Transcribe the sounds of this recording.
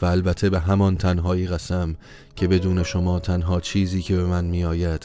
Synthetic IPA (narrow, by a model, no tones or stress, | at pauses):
væːlbæt̪ʰːe̞be̞ɦæmɒnt̪ʰænɦɒːiːɣæsæm | cʰe̞be̞d̪uːne̞ʃo̞mɒːt̪ʰænɦɒːt͡ʃʰiːziːcʰe̞be̞mænmijɒːjæd̪̥